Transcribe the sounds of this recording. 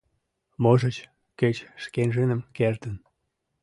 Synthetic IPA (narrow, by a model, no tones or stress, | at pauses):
moʒət͡ɕ | ket͡ɕʃkenʒənəmkert̪ən